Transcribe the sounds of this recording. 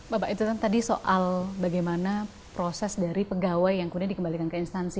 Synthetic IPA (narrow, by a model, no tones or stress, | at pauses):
bapaʔit̪ut̪ant̪adiso̰ʔalbaɡajmana | pɾosɛsdaɾipəɡawajːaŋkəmudiandikəmbalikankəinst̪ansi